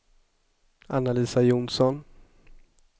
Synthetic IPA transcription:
anːaliːsajunsɔn

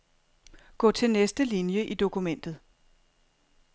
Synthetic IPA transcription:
ɡ̥ɔ̰̽ːt͡sʰe̝lnesd̥əlinjəʔid̥o̝kʰumen̰d̥ð̞̩ˠ

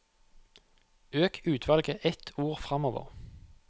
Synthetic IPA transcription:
øːkʰʉːt̪ʰʋɑlɡəʔɛt̪ʰuːʁfʁɑmoːʋə̰ʁ

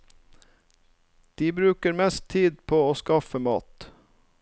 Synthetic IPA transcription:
d̪̥iːbɾʉːkəɾmɛst̪ʰiːd̪̚pʰoːoːskɑfəmɑ̰ːt̪

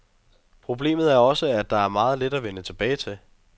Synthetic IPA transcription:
pʰʁo̝b̥le̝̰ːmð̩ˠæɐɒ̽səæd̥̚ɑ̈æɐmɑ̈ːð̞̩ˠled̥æʋenət͡sʰe̝b̥ɛːɪt͡sʰe̝l

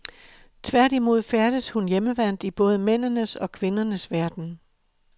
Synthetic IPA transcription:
t͡sʰʋæɐd̥imo̝ð̞̰ˠfæɐɾ̥əshunjeməʋæn̰d̥ib̥ɔ̽ːð̞ˠəmen̰nəsɒ̽kʰʋe̝nɐnəsʋæɐd̥n̩

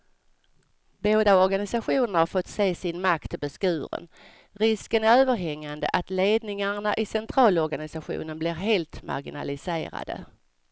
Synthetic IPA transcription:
boːd̪aɔɾɡanɪsaɧuːnəɾhaɾfɔt̪ːseːsɪnmak̚t̪ʰːɪbɛskʉ̟ːɾə̰n | ɾɪskənæɾøːvəɾɦɛŋːand̪ə̰ʔat̪leːd̪nɪŋaɳaʔɪsɛnt̪ʰɾɑːlɔɾɡanɪsaɧṵːnənblɪɾɦeːlt̪ma̰ɾɡɪna̰lɪsḛːɾa̰d̪ə̰

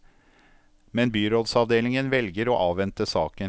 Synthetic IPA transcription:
mɛnbyːɾoːd̪sɑʋd̪eːlɪŋənʋɛlɡəɾoːʔɑːʋɛnt̪əsɑːkə

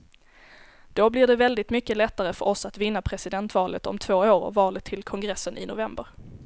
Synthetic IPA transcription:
d̪̥oblɪɖɛvɛld̪ɪt̪mʏkːəlɛt̪ːaɾəfœɾʔɔsat̪vɪnːapʰɾɛsɪd̪ɛnt̪vɑːlət̪ɔ̰mt̪ʰv̥oːoːɾɔ̰vɑːlət̪ʰːɪlkʰɔŋɡɾɛsːənɪ̰nʊvɛmbəɾ

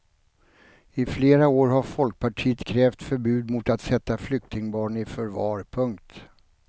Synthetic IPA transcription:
ɪfleːɾaoːɾɦaɾfɔlk̚pʰaʈʰiːət̪kʰɾɛːft̪fœɾbʉ̟ːd̪mʊt̪at̪sɛt̪ːaflʏk̚t̪ɪŋbɑːɳɪfœɾvɑːɾpʰɵŋkt̪

